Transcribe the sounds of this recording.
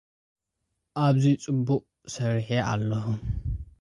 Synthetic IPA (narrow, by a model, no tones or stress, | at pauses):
ʔaβzit͡sʼɨbːʊqʼ | sɐɾiħeʔa̰lːɐhʊm